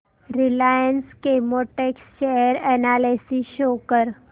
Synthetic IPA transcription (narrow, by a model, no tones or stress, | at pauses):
ɾɪlaːjənskemoʈeksʃejəɾɛnaːlesiʃoːkəɾ